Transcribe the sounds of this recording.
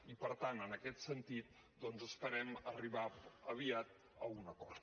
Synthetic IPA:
ipəɾt̪anənəkɛt̪sənt̪it̪̚ | d̪ɔnzəspəɾɛməriβaəβ̞iat̪ | əunəkɔɾt̪

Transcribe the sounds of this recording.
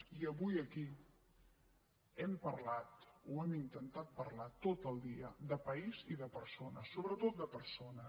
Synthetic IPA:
iəβujəki | ɛmpərlat̪oɛmint̪ənt̪at̪̚pərlat̪ot̪əlˠd̪iəd̪əpəiziðəpəɾsonəsːoβɾət̪ot̪̚d̪əpəɾsonə

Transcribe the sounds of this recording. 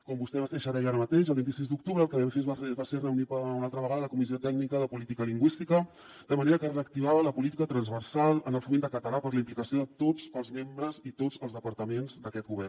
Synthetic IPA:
kɔmbust̪ɛβaseʃəɾɛʒaɾəmət̪eʃəlˠβint̪is̬izd̪uk̚t̪uβɾəlˠkəβifezbaserəunipəunalˠt̪ɾəβəɣaðələkumiziot̪ɛɡnikəðəpulit̪ikəliŋɡwist̪ikə | d̪əməneɾəkəreək̚t̪iβaβələpulit̪ikət̪ɾənzβərsalˠənəlˠfumend̪əkət̪əlapəɾləimplikəsioðət̪ozəlˠzmembɾəzit̪ozəlˠzðəpəɾt̪əmenzd̪əkɛt̪̚ɡuβɛr

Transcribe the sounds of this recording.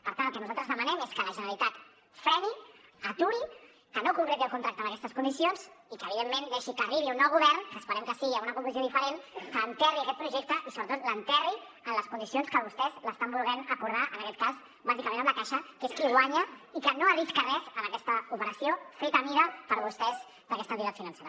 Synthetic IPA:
pəɾt̪antlˠkɛnuzalˠt̪ɾəzðəmanɛmeskələʒənəlit̪at̪ | fɾɛniat̪uɾi | kənokuŋkɾet̪iəlˠkunt̪ɾak̚t̪əməkɛst̪əskund̪isionzikəːβ̞iðemːẽnd̪eʃikəriβ̞iunːɔwɣuβɛɾnkəːspəɾɛmkəsiɣiaunəkuŋkluzioðifəɾenkəːnt̪ɛriɐkɛt̪̚pɾuʒɛk̚t̪əʔisoβɾət̪ot̪lənt̪ɛri | ənləskund̪isionskəβust̪ɛzləst̪ambulˠɣɛnəkuɾðaʔənəkɛt̪̚kaz | bazikamẽnəmləkaʃəkeskiɣwaɲəikənoəriskarɛzənɐkɛst̪əupəɾəsijofet̪əmiðəpəɾβust̪ɛz | d̪əkɛst̪ənt̪it̪at̪finə̃nseɾə

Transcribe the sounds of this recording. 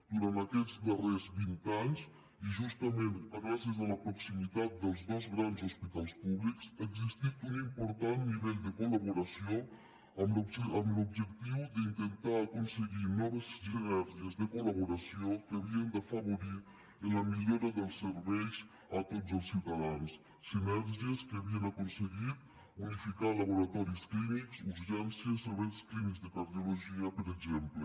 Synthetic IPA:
d̪̥uɾant̪akɛzd̪ərezβint̪aɲs | iʒust̪əment̪əɣɾasiəzələpɾuksimit̪at̪̚d̪əlˠzd̪ozɣɾanzuspit̪alˠspuβliksəɡzist̪it̪unimpuɾt̪anniβɛʎd̪əkuləβuɾasio | əməmlub̚ʒəkt̪iwd̪əint̪ənt̪aːkunsəɣinɔβəzʒiβɛɾziəzðəkuləβuɾasiokeaβiend̪afaβoɾi | elamiʎoɾaðelˠsːeɾβɛjs | at̪otzelˠssiwt̪aðansː | imɛɾʒjeskeaβienakonseɣit̪ | unifikalaβoɾat̪ɔɾisklimiksuzɣɛnsjeseɾβɛjsklimikzd̪ekaɾðjoloʒiapeɾeɡzɛmple

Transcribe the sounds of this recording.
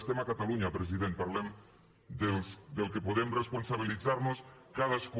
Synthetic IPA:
st̪emakat̪aluɲapɾes̬iðent̪̚paɾlem | d̪sd̪elkepoðemresponsaβilitθaɾnoskaðask

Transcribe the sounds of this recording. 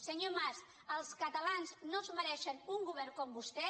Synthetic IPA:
səɲomas | əlˠskət̪əlanznozməɾɛʃənuŋɡuβɛrkɔmbust̪ɛ

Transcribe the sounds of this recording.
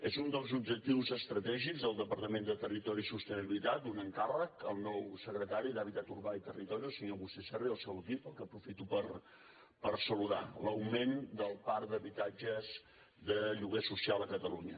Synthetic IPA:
ezund̪əlˠzub̚ʒək̚t̪iwzəst̪ɾət̪ɛʒikzðəlˠd̪əpəɾt̪əmend̪ət̪ərit̪ɔɾisust̪əniβilit̪at̪unəŋkarəkəlˠnɔwsəkɾət̪aɾid̪aβit̪at̪uɾβait̪ərit̪ɔɾiəlˠsəɲoβust̪ɛsɛriəlˠsɛwəkipəlˠkəpɾufit̪upər | pəɾsəluða̰ləwmend̪əlˠpaɾd̪əβit̪ad͡ʒəz | ðəʎuɣesusialˠəkət̪əluɲə

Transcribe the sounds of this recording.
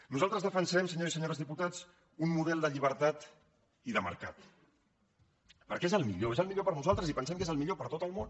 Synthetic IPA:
nuzalˠt̪ɾəzðəfənsɛmsəɲozisəɲoɾəzðiput̪at͡s | unmuðɛlˠd̪əʎiβ̞əɾt̪at̪ | iðəmə̰ɾkat̪ | pə̰ɾkezəlˠmiʎoezəlˠmiʎopəɾnuzalˠt̪ɾəzipənsɛmkezəlˠmiʎopəɾt̪ot̪əlˠmon

